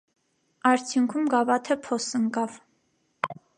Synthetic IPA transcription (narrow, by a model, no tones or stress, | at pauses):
ɑɾt͡sʰjuŋkʰumɡɑvɑt̪ʰɛpʰɔsəŋkɑv